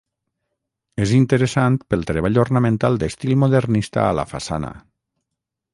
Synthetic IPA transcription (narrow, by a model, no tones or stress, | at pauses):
ezint̪əɾəsant̪pəlˠt̪ɾeβ̞aʎornamẽnt̪alˠd̪est̪ilˠmoðeɾnist̪a̰ːla̰fasa̰na̰